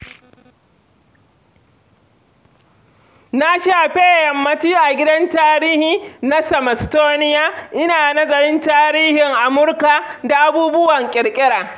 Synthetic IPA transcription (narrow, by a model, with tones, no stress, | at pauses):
na˦ʃaː˨ɸeː˦˨jɐ˨mːɐ˦tiː˦ʔa˨ɡʲɪ˦dɐ˦ntaː˦ɾiː˦hiː˨na˦sɐ˨mɐ˨stoː˦nɪ˦jaː˦ʔɪ˦naː˨nɐ˦zɐ˨ɾɪ˦ntaː˦ɾiː˦hɪ˨ŋʔa˨mʊ˦rka˨da˨ʔa˦buː˦bʊ˦wɐ˨ŋkʲʼɪ˨ɽkʲʼɪ˦ɽaː˨